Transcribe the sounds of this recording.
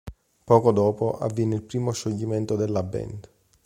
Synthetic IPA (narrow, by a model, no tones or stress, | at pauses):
pɔːkod̪ɔːpoʔa̰vːjɛːnːeilpɾiːmoʃoʎːiment̪od̪elːabːɛ̰nd̪